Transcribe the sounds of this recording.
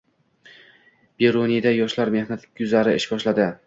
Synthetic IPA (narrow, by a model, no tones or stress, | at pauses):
b̥eɾonid̪ajɒʃlaɾme̞hnat̪ʊzaɾɪɪʃbʲɒʃlad̪ɪ